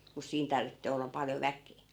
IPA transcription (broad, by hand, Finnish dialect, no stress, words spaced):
mus siːn tɑrʋitːeː olːɑp pɑljo ʋækˑeː